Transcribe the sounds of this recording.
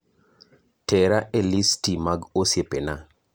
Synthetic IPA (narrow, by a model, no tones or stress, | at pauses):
tɛɾaʔelistimaɡosjepena